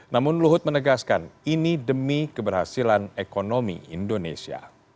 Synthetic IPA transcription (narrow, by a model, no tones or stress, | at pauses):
namʊnluɦʊt̪̚mənəɡaskaninidəmikəbərhasilanekonomḭḭndonḛsia̰